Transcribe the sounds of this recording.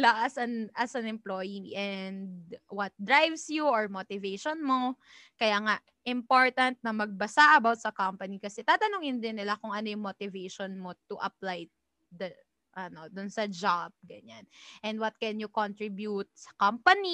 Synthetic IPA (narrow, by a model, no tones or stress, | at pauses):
laʔɐsɐnʔasɐnɛmplo̞jiŋʔɛnd̪wɐt̪̚d̪ɹajvsjuʔɔɹmot̪ɪvejʃonmo | kɐjaːŋa | ʔɪmpoɹt̪ɐnt̪̚nɐmɐɡ̚bɐsaʔɐbawt̪̚sɐkampɐnikɐsɛt̪aːt̪ɐnoŋɪnd̪ɪnːɪlakʊŋʔɐnojʊŋmot̪ɪvejʃonmot̪ʊʔɐ̰plaj | d̪ɐ | ʔɐno̞d̪ʊnsɐd͡ʒab̚ɡɐɲanʔɛ̃nd̪wɐt̪̚kɛnjʊkont̪ɹɪbjut̪̚sɐ̥kampɐni